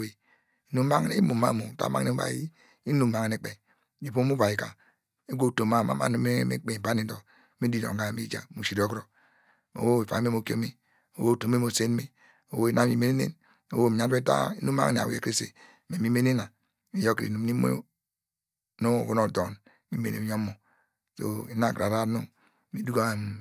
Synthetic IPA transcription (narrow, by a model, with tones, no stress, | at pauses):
e˨ | i˨nu˦m˦ma˦ŋ˦ne˦mu˨ma̰˦mu˨ta̰˦ma˦ne˦ba̰˨ji˦ | i˦nu˦˨mma˨ŋe˨ne˨k͡pe˨ | i˨po˦mu˦ba˨ji˨ka̰˨ | e˦ɡʷo˦˨to˨mːa˦˨ma̰˦ma̰˦no˦me˦mḛ˦k͡pe˨a˦ni˦do˨ | mi˦di˦no̰˨ŋ˨ɡa˦˨mi˦d͡ʒa̰˨mu˨si˨do˦kɾo˦ | o̰˨wo˦e˨fa̰˨˦me˦mo˨ko̰˦me˦ | o̰˨wo˦˨to˨m˦e˦mo˨se˦n˦me˦ | o˨wo˦i˨na˦mi˨me˦ne˦nḛ˦n | o̰˨wo˦˨mi˨ɲa˦e˦ta̰˦i˦nu˦ma̰˦ŋ˨ne˨a̰˨wḛ˨ke˦sḛ˨ | me˨mi˦me˦ne˦na˨ | mi˨jo˦kɾḭ˨nu˨ni˦mo̰˦ | no˦˨ku˦no˨do˨n | mi˦mḛ˨nḛ˨jo˦mo˨ | so̰˨i˨na˦˨kɾa˨ɾa˦no˦ | mi˦du˦ɡa˦˨m˨